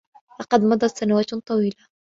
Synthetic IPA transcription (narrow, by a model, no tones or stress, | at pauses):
lɑqɑd̪mɑd̪ˤɑt̪sanawaːt̪t̪ˤɑwiːla